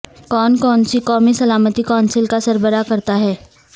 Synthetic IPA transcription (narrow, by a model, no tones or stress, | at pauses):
kɔːnkɔːnsikɔːmisɐlaːmət̪ikɔːnsɪlkasɐɾbəɾakɐɾt̪aɦɛː